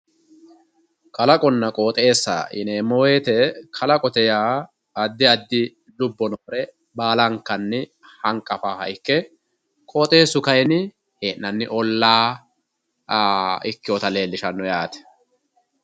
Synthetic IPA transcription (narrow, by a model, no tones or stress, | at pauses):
kʰɐlɐkʼɔnːɐkʼo̞ːt̪ʼe̞ːsːa̰ʔɪ̰neːmɔweːt̪ɛkʰɐlɐkʼɔt̪ɛjaː | ɐd̪ːɪɐd̪ːɪ | lʊbːɔnoːɾɛ | baːlɐŋkːɐnːɪ | hɐŋkʼːɐfaːhɐ̰ɪkːɛ | kʼoːt̪ʼe̞ːsːʊkɐjnɪ | heːnːɐnːɪʔɔlːaː | ɪkːɪjɔt̪ɐle̞ːlːɪʃɐnːɔjaːt̪ɛ̥